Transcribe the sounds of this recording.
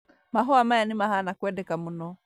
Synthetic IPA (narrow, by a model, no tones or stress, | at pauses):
maɦɔamaanimahanakwɛdɛkamunɔ